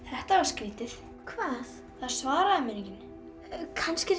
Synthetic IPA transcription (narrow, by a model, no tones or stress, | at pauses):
θɛht̪avaɾ̥skɾiːt̪ɪθ | kʰvaːθ | θaðsvaːɾaðɪmɛnicɪn | kʰanscɪ